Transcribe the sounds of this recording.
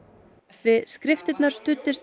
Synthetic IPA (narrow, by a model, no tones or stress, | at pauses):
vɪðskɾɪft̪ɪt̪naɾ̥st̪ʏt̪ːɪst̪